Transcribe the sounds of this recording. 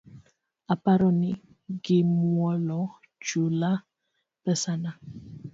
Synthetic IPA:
apaɾɔni | ɡimwwɔlɔ | d͡ʒula | pɛsana

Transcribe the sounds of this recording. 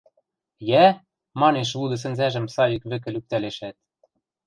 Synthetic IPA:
jæ | mɑneʃ̬lud̪ɤ̆s̬ɘ̆nzæʒɘ̆msɑjikβɘ̆k̬ɘ̆lyk̚t̪æleʃæt̪̚

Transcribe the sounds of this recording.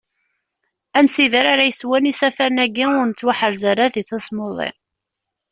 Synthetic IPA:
æmsiðəɾaɾajəswænisæfæɾnæɡːiʊɾnət͡sːwaħəɾzaɾaðiθæsˤmoðˤḛ

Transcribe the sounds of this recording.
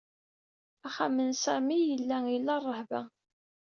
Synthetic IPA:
æχæmənsæmijəlːæjəlːɑrˤːəhvæ

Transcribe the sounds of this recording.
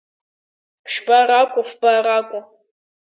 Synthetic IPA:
pʃbaːraːkʷʼʊfb̥aːraːkʷʼʊ

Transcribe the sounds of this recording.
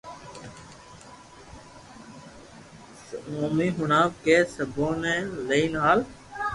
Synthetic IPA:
oːmiːɦʊɳaːʋkeːsəboːnẽːleːnaːl

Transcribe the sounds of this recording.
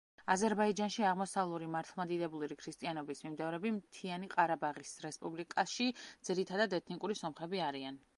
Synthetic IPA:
azɛɾbaid͡ʒanʃiaʁmɔsavlˠuɾimaɾt̪ʰlˠmad̪id̪ɛbuliɾikʰɾist̪ʼianɔbismimd̪ɛvɾɛbimt̪ʰianiqʼaɾabaʁisɾɛspʼublikʼaʃid̪z̥iɾit̪ʰad̪ad̪ɛt̪ʰnikʼuɾisɔmχɛbiaɾian

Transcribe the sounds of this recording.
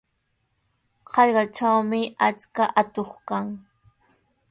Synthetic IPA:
qɑʎɢɑt͡ʃawmɪat͡skaʔat̪oχkaŋ

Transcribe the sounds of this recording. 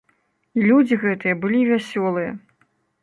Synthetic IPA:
lʲud͡zʲiɣɛt̪ɨjɐbɨlʲivʲasʲɔlˠɨjɐ̰

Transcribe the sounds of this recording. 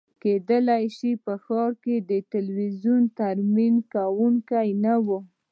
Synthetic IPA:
ked̪əlajʃipəxɑɾked̪ət̪ɪlwizunt̪aɾminkawuŋkajnawu

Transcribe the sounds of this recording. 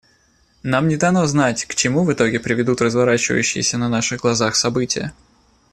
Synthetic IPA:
namnʲɪd̪ɐnoznatʲkt͡ɕɪmuvɨt̪o̞ɡʲɪpɾʲɪvʲɪd̪ut̪rəzvɐɾat͡ɕɪvə̰jʉɕːɪ̰jɪsʲənɐnaʂɨɣɡlˠɐzaxsɐbɨtʲɪjə̰

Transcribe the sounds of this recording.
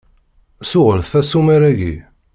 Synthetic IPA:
sʊʁəɾθθæsumæɾæʝḭ

